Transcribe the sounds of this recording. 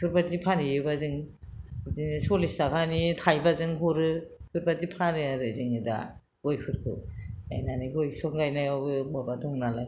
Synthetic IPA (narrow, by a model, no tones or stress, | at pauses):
pʰɯɾbazipʰanijubazɯŋ | ziŋisɔlistakʰanitʰajbazɯŋɦuɾɯpʰuɾbazipʰanɯaɾɯzɯŋida̰ | ɡ̥ojpʰɯɾkʰɯ̰ajnaniɡɔjsɔŋɡajnajɔbɯbɔbadɔŋnalaj